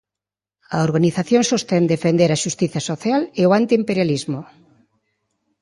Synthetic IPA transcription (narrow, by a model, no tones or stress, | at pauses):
ɐoɾɣaniθaθjoŋsost̪end̪efend̪eɾɐʃust̪iθjɐsoθjaleowant̪iːmpeɾjalizmo